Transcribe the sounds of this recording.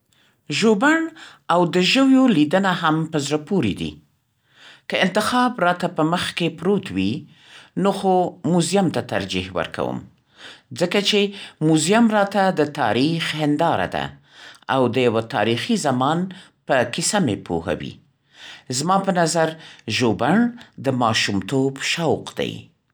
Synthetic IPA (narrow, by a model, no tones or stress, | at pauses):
ʒobaɳ | awd̪əʒəwjolid̪ənaɦampəzɾapuɾid̪ḭ | kəɪnt̪ɪxɑbɾɑt̪apəməxkepɾot̪wi | noxomuzijamt̪at̪a̰ɾd͡ʒḭhwə̰ɾka̰wə̰m | zəkat͡ʃemuzijamɾɑt̪ad̪ət̪ɑ̰ɾixhɪnd̪ɑɾa̰d̪a̰ | awd̪əjawat̪ɑ̰ɾixizamɑn | pəkisamepʰo̰ha̰wḭ | zmɑpənazaɾʒobaɳd̪əmɑʃumt̪obʃawqd̪a̰j